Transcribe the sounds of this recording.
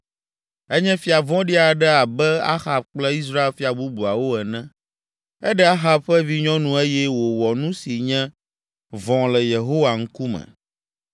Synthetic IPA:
ɛ˦ɲɛ̃˦fi˨a˨vɔ̃˦ɖi˦a˨ɖɛ˦a˨bɛ˦a̰˦xa˨b̚k͡plɛ˦i˦s̬ɾa˦e˦lfi˦a˨bu˦bu˨a˨wo˦ɛ˨nɛ̃˦ | ɛ˦ɖɛ˦a˦xa˦bɸɛ˦vi˦ɲɔ̃˦nũ˦e˦jɛ˦wo˨wɔ˨nũ˦si˨ɲɛ̃˦ | vɔ̃˨lɛ˨je˨ɦo˦wa˨ŋ̩˦ku˦mɛ̰̃˨

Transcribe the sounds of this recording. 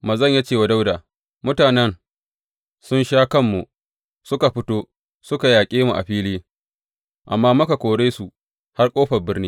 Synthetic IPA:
mɐ˨zɐ˦˨ɲja˦t͡ʃeː˦˨wa˨da˦wdaː˨ | mʊ˦taː˨nɛ˦n | sʊ˦nʃaː˦kɐ˦mːu˨ | sʊ˦ka˨ɸɪ˦toː˦ | sʊ˦ka˨jaː˨kʲʼeː˦mu˨ʔa̰˨ɸiː˦liː˦ | ʔa̰˨mːaː˦mʊ˦ka˨kʷoː˨ɽeː˦su˨ | ha˦rkʷʼoː˦ɸɐ˨bɪ˦rniː˦

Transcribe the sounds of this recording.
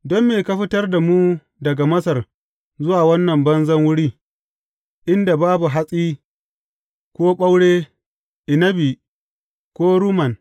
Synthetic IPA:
dɔ˦mːeː˨ka˦ɸɪ˦tɐ˦rda˨muː˦ | dɐ˨ɡa˨mɐ˦sɐ˨r | zʊ˦waː˨wɐ˦nːɐ˨mbɐ˦nzɐ˦ŋwʊ˦ɽiː˦ | ʔɪ˦nda˨baː˦bu˨ɦa˦sʼiː˦ | kʷoː˦ɓa˦wɽeː˦ | ʔɪ˨nɐ˦bi˨ | kʷoː˦ɾuː˦mɐ˨n

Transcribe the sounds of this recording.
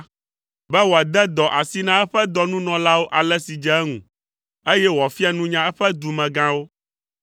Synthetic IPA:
bɛ˦wo˨a˨d̪ɛ˦d̪ɔ˨ʔa˨si˦nã˦ɛ˦ɸɛ˦d̪ɔ˨nũ˦nɔ̃˨la˦wo˦ʔa˨lɛ˦si˨d͡ʒɛ˨˦ŋṵ̃˨ | e˦jɛ˦wo˨a˨fi˦a˦nũ˦ɲã˦ɛ˦ɸɛ˦d̪u˨mɛ̃˨ɡã˦wo˦

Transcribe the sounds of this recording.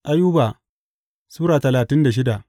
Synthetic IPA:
ʔa˦juː˦baː˨ | suː˦ɾaː˨tɐ˨laː˨tɪ˦nda˨ʃ̬ɪ˦da˨ʔ

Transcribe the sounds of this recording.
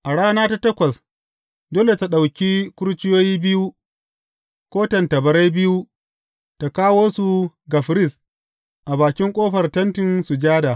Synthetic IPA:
ʔa˨ɽaː˦naː˦ta˦tɐ˦kʷɐ˨s | doː˦le˨ta˨ɗa˨wkʲi˦kʷʊ˦ɾt͡ʃɪ˦joː˦jiː˦bɪ˦ju˦ | kʷoː˦tɐ˨ntɐ˨bɐ˨˦ɾa˦jbɪ˦ju˦ | ta˨kaː˦woː˦su˨ɡa˨ɸɾɪ˦˨s | ʔa˨baː˨kʲɪ˦ŋkʷʼoː˦ɸɐ˨rtɐ˦ntɪ˨nsu˨d͡ʒaː˦daː˨

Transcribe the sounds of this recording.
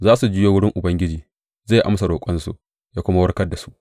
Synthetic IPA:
zaː˦su˨d͡ʒɪ˦joː˦wʊ˦ɽɪ˦ŋʔʊ˨bɐ˦ŋɡʲɪ˦d͡ʒiː˨ | zeː˦˨ʔa̰˦msa˨ɽoː˨kʷʼɔ˦nsṵ˨ʔ | jaː˦kʷʊ˦ma˦wɐ˦ɽkɐ˦da˨su˦ʔ

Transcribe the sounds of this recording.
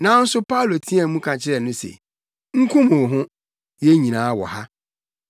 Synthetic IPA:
nã˨˦n̩˦sʊ˦pʰa˦u˨lo˨tʰĩ˦a˨˦mũ˦kʰã˨t͡ɕʰɪ˦ɾɛ˨nʊ̃˦sḛ˨ | ŋ̩˦kʰʊ̃˦mũ˨ɦʊ̃˦ | je˦ɲĩ˨nãː˨˦wɔ̰˨ha˦

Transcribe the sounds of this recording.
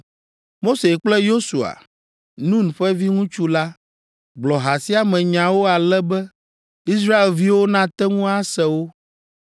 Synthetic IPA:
mo˦se˨k͡plɛ˦jo˦su˨a̰˨ | nũ˦n˨ɸɛ˦vi˦ŋũ˦t͡ʃu˦la˦ | ɡ͡blɔ˨ɦa˨si˦a˨mɛ̃˨ɲã˨wo˦a˨lɛ˦bɛ˦ | i˦s̬ɾa˦e˨lvi˦wo˦nã˦t̪ɛ˦ŋũ˦a˦sɛ˨wo˦

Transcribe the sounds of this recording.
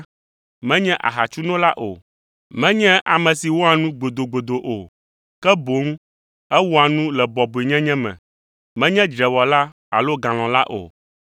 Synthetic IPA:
mɛ̃˦ɲɛ̃˦ʔa̰˨ɦa˨t͡ʃu˦nɔ̃˦la˦ʔo̰˨ | mɛ̃˦ɲɛ̃˦ʔa˨mɛ̃˨si˨wo˦a˨nũ˦ɡ͡bo˨d̪o˨ɡ͡bo˨d̪o˨ʔo˨ | kɛ˦bo˨˦ŋ˦ | ɛ˦wo˦a˨nũ˦lɛ˨bɔ˨bo˨i˨ɲɛ̃˦ɲɛ̃˦mɛ̰̃˨ | mɛ̃˦ɲɛ̃˦d͡ʒɾɛ˨wɔ˨la˦ | a̰˨lo˦ɡã˨l̃ɔ̃˨la˦ʔo̰˨

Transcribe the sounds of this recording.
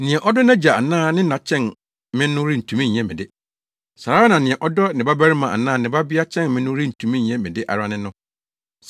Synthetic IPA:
nɪ̃˨ɛ̃˨ʔɔ˦dɔ˦nã˦d͡ʑa˨a˨nãː˦˨nɪ̃˦nã˨t͡ɕʰɛ̃˦n | mɪ̃˦nːʊ̃˦ɾi˦n̩˨tʰũ˨mĩ˦ɲ˨ɛ̃˦mɪ̃˨dɪ˦ | sa˨ɾaː˦nã˨nɪ̃˨ɛ̃˨ʔɔ˦dɔ˦nɪ̃˨ba˦bæ˦ɾɪ˦mã˨ʔa̰˨nãː˦˨nɪ̃˨ba˦bɪ˦a˦t͡ɕʰɛ̃˦nmɪ̃˦nʊ̃˦ɾi˦n̩˨tʰũ˨mĩ˦ɲ˨ɛ̃˦mɪ̃˨dɪ˦ʔa̰˨ɾa˦nɪ̃˦nʊ̃˦

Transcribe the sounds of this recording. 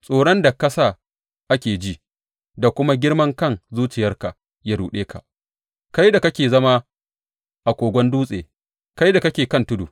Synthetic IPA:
sʼoː˨ɽɔ˦nda˨kɐ˦sa˦˨ | ʔa˦kʲeː˨d͡ʒi˦ | da˨kʷʊ˦ma˦ɡʲɪ˦rmɐ˦ŋkɐ˦˨ŋzuː˦t͡ʃɪ˨jɐ˦rka˨ | ja˦ɽuː˨ɗeː˦ka̰˨ʔ | ka˦jda˨kɐ˦kʲeː˨zɐ˦ma˦ | ʔa˨kʷoː˨ɡʷɔ˦nduː˦sʼeː˨ | ka˦jda˨kɐ˦kʲeː˨kɐ˦ntʊ˦du˨

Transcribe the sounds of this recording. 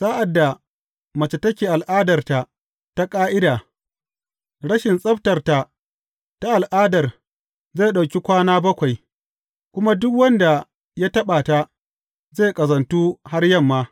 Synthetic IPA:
saː˦ʔa˨dːa˨ | mɐ˨t͡ʃɪ˨tːɐ˦kʲeː˨ʔa˨lʔaː˦dɐ˨rta˨ | ta˦kʼaː˦ʔɪ˦daː˨ | ɽɐ˦ʃɪ˨nsʼɐ˦ɸtɐ˨rta˨ | ta˦ʔa˨lʔaː˦dɐ˨r | zeː˦˨ɗa˨wkʲi˦kʷaː˦naː˦bɐ˦kʷa˨j | kʷʊ˦ma˦dʊ˦kwɐ˦nda˨ | ja˦tɐ˦ɓaː˨ta˦ | zeː˦˨kʼɐ˨zɐ˨ntuː˦ha˦rjɐ˦˨mːaː˦

